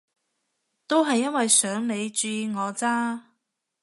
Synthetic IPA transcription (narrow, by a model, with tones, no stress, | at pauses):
t̪o˥wɦɐ˨jːɐ˥nwɐ˨jsœː˨˥ŋne˨˧jt͡ʃyː˧ŋɔː˨˧t͡saː˥